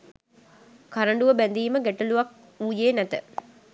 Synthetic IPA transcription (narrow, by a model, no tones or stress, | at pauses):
kaɾəɳɖuʋəbænd̪iːməɡeʈəluʋak̚ | uːjeːnæt̪ə